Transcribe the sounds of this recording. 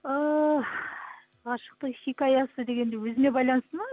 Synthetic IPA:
ə | ɑʃə̥q̚t̪əχikʲɑjɑsəd̪e̞ɡʲe̞nd̪ewɵzɪne̞bɑjlˠɑnəst̪əmɑ

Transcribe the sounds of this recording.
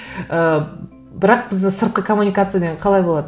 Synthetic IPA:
ə | bɪɾɑq̚bɪzd̪ɪsəɾt̪̚qəkʰomunʲijkat̪sɨjad̪eɴqʰɑlˠɑjbo̞lˠɑd̪

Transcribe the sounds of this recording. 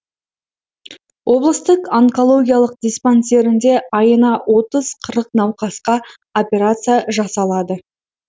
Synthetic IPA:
wʔo̞blˠəst̪əqaŋko̞lˠo̞ɡʲijalˠəq̚d̪ʲesponse̞ɾɪnd̪e̞ɑjənɑwʔo̞t̪əz̥qʰəɾəqnɑwqɑsqɑ | opʲe̞ɾat̪sɨjaʒɑsɑlˠɑd̪ə

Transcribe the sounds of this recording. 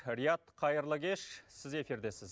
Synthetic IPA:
ɾijat̪qʰɑjəɾlˠəɡʲe̞ʃsɪze̞fiɾd̪e̞sɪz

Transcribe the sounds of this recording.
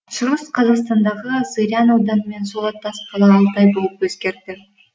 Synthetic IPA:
ʃʊɾəsqʰɑzɑqst̪ɑnd̪ɑʁəsɨɾʲijanowd̪ɑnəme̞nsolˠɑt̪ːɑsqʰɑlˠɑːlˠt̪ɑjbo̞lˠəpwɵzkʲe̞ɾt̪ɪ

